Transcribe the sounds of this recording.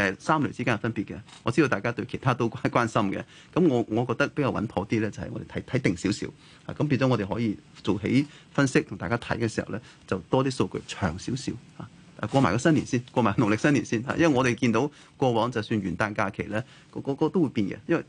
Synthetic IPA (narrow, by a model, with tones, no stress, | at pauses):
ɛ˨˩saː˥mlɵ˨˩t͡siː˥kaː˥ɐ˨˩fɐ˥npi˨t̚kɛ˧ŋɔː˨˧t͡si˥do˧wt̪aː˨˩kaː˥t̪ɵ˧ɥkʰe˨˩jt̪ʰaː˥t̪o˥wkʷaː˥kʷwaː˥nsɐ˥mkɛ̰˧ | kɐ˧˥mŋɔː˨˧ŋɔː˨˧kɔː˧k̚t̪ɐ˥k̚pe˥ja˧wɐ̰˨˥npʰɔː˨˥t̪iː˥lɛː˥t͡sɐ˨hɐ̰˨jŋɔ̰˧e˨tʰɐ˨˦˥jt̪ʰɐ˨˥jt̪ɪ˨˩ŋsi˨˥wsḭ˨˥w | ha̰ː˨kɐ˨˦mp̬iː˧nt͡sɔ˨˥ŋː˨˧ɾe˨˩ɦɔː˨˥jiː˨˧t͡so˨wɦḛ˨˥j | fɐ˥nsɪ˥k̚t̪ʰʊ˨˩ŋt̪aː˨˩kaː˥t̪ʰɐ˨˥jkɛː˧si˨˩hɐ̰˨wlɛː˥ | t͡sɐ˨wt̪ɔː˥t̪iː˥so˧wkɵ̰˧t͡ʃʰœː˨˩ŋsiː˨˥wsiː˨˥wha̰ː˨˧˨ | kʷɔː˧maː˨˩kɔ˧sɐ˥nliː˨˩nsiː˥nkʷɔː˧maː˨˩ɡnʊ˨˩ŋlɪ˨k̚sɐ˥nli˨˩nsiː˥˩nha̰˨˧jɐ˥wɐ˨jŋɔː˨˧ɾe˨˩jkiː˧nt̪o˨˧˥w | kʷɔː˧wɔː˨˥ŋt͡sɐ˨wsyː˧nɥyː˨˩nt̪aː˧nkaː˧kʰe˨˩jlɛː˥ | kɔː˧˥kɔː˧kɔː˧t̪o˥wu˨˧jpiː˧nkɛ̰˧jɐ˥nwɐ˨˩